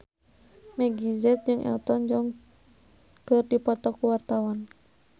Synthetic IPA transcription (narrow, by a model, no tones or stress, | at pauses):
mɛɡizɛt̪̚d͡ʒɨŋʔɛ̰lt̪ɔnd͡ʒɔŋ | kɨrdipɔt̪ɔkuwart̪awɔn